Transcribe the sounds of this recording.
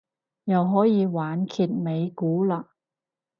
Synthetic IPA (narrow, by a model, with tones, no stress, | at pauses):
jɐ˨wɦɔː˨˥jiː˨˧waː˨˥nkʰiː˨t̚me˨˧jkuː˨˥laː˧˩